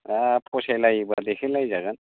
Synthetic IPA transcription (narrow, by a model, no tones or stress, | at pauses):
apʰɔsajlajibad̪ekʰilajzaɡan